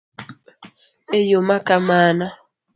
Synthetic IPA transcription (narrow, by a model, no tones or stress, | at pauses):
ejomakamaːna